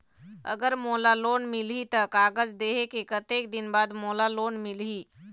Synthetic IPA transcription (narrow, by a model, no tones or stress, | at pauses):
ə̰ɡəɾmoːlaloːnmɪlɦit̪əkaːɡəd͡ʒd̪eːɦekekət̪eːk̚d̪ɪnbaːd̪moːlaloːnmɪlɦi